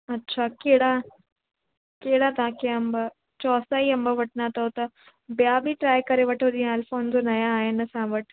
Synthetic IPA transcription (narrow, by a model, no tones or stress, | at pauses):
ɐtːɕʰakeɦɽa | keːɽat̪ɐãkʰeɐ̃mbə | t͡ɕɔːsaːiɐmbəʋɐʈ̚ʰnat̪ɐot̪ɐ | bjabiʈɾaːjkɐɾeʋɐʈʰod͡ʑĩaːlfoːnd͡ʑonɐjãːɦenɐsãʋəʈ